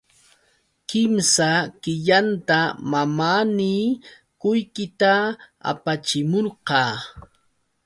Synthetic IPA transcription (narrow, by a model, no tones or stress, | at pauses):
kɪmsakɪʎant̪amamaːniː | kʊjkɪt̪aa̰pat͡ʃɪmoɾqɑː